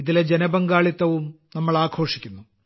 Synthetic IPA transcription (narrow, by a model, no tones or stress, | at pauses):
iðiled͡ʑenɐbɐŋɡaːɭit̪ːɐʋum | nɐmːɐɭaːkʰo̞ːʂi̥kʲːunːu